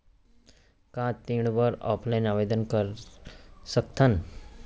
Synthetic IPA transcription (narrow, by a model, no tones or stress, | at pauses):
kãt̪iɳʋəɾɔ̰pʰlajnaʋed̪ənkəɾ | sək̚t̪ʰən